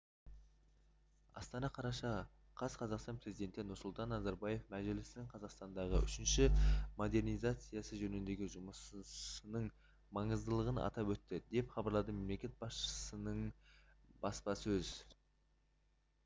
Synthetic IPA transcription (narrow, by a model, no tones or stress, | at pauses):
ɑ̰st̪ɑnɑqʰɑɾɑʃɑ | qʰɑsqʰɑzɑqst̪ɑnpɾe̞zijd̪ʲe̞nt̪ɪnʊɾsʊlˠt̪ɑnːɑzɑɾbɑje̞fmæʒɪlɪsɪnɪŋqʰɑzɑqst̪ɑnd̪ɑʁəʏʃɪnʃɪmo̞d̪e̞rnijzat̪sɨjɑsəʒɵnɪnd̪e̞ɡʲɪʒʊməsənəɴ | mɑɴəzd̪əlˠəʁənɑ̰t̪ɑpwɵt̪ːɪd̪e̞pχɑbɑɾlˠɑd̪əme̞mle̞kʲe̞t̪̚bɑsʃə̥sənəɴ | b̥ɑspɑsɵz